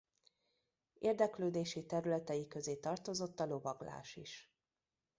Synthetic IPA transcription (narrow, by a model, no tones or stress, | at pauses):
eːrd̪ɛkløːd̪eːʃit̪ɛɾylɛt̪ɛjikø̞zeːt̪ɒrt̪o̞zo̞t̪ːɒlo̞vɒɡla̰ːʃḭʃ